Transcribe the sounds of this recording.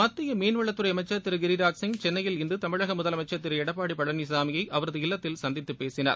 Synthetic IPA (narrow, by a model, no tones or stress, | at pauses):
mɐt̪ːɪjɐmeːnʋɐɭːɐt̪ːɯɾɐjɐmɐɪt͡ʃːɐt̪ːɪɾɯɡɪɾɪɾaːksɪŋt͡ʃɛnːɐjɪlɪnd̪ɯt̪ɐmɪɻɐɣɐmʊðɐlɐmɐɪt͡ʃːɐt̪ːɪɾɛɽɐpːaːɽipːɐɭːɐnisaːmɪjɐɪʔɐʋɐɾɐðɯɪlːɐt̪ːɪlsɐnd̪ɪt̪ːɯpːeːsɪna̰ːɾ